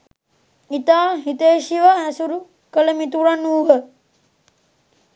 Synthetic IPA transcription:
it̪aːɦit̪eːʃiʋaæsuɾu | kələmit̪uɾanuːɦə

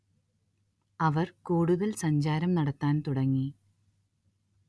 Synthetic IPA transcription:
ɐʋɐrkuːɽuðɐlsɐɲd͡ʑaːɾɐmnɐɽɐt̪ːaːnt̪uɽɐŋːi

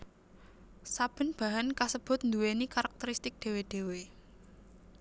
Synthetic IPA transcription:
sab̥ə̤nb̥a̤ɦankasəb̥ʊ̤t̪̚nd̪uwenikaɾak̚t̪əɾist̪ɪk̚d̪̥e̤weɖ̪̥e̤we

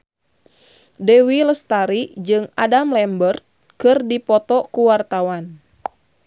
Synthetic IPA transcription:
dɛwiləst̪aɾid͡ʒɨŋa̰damlɛmbərt̪̚ | kɨrdipɔt̪ɔkuwart̪awan

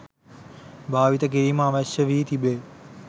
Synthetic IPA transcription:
bʱaːʋit̪ɐk̬iɾiːmaːʋɐʃjəʋiːt̪ʰibeː

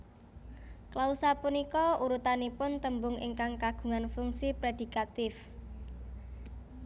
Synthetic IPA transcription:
klausapunikɔuɾut̪anipʊnt̪əmbʊŋḭŋkaŋkaɡ̥ṳŋanfuŋsipɾed̪̥i̤kat̪ɪf

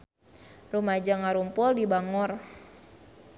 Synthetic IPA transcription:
rumad͡ʒaŋaɾumpɔldibaŋɔr

